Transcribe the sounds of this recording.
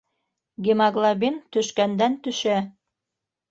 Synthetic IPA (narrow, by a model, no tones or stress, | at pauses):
ɡʲimɑɡlˠabint̪ɵ̆ʃkænd̪ænt̪ɵ̆ʃæ